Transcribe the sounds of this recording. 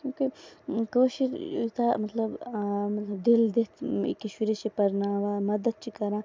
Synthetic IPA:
kjũːkekoːʃiɾṵt̪amɐt̪lɐbmɐt̪lɐbd̪ild̪et̪ḭkɐʃwiɾet͡ʃipɐɾnaːʋaːmɐd̪ɐd̪̚t͡ʃikɐɾãː

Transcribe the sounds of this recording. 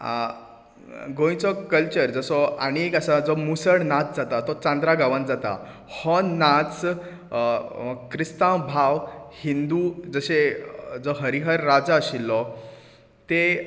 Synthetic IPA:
ɡõj̃t͡sɔkəlt͡ɕəɾd͡zəsɔa̰ɽ̃iekəsad͡zɔmusəɽnat͡s̚d͡zat̪at̪ɔt͡sãnd̪ɾaɡaʋə̃nt̪d͡zat̪a̰ | hɔnat͡s | kɾist̪ãwbʱaʋhind̪ud͡zəɕed͡zɔɦəɾiɦəɾːad͡zaəɕilːɔ | t̪e

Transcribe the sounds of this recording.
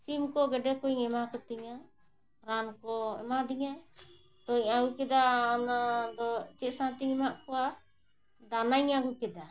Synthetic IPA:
simkɔɡɛɖɛkɔiŋɛmakɔt̪iŋa | ɾankɔɛ̰mad̪iŋa | t̪ɔiɲaɡukɛd̪aɔnad̪ɔt͡ʃɛʔsãt̪iŋɛmaʔkɔwa | d̪anajɲaɡukɛd̪a

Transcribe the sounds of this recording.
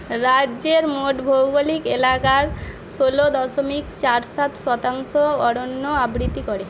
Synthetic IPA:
ɾadːd͡ʑeɾmoʈbʱowɡolikelakaɾ | ʃolod̪ɔʃomikt͡ɕaɾsat̪ʃɔt̪aŋʃoɔɽonːoabɾit̪ːikoɾe

